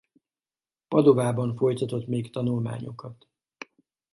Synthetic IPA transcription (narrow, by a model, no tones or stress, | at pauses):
pɒd̪ovaːbɒɱfo̞jt̪ɒt̪o̞t̪meːkt̪ɒnulma̰ːɲo̞kɒt̪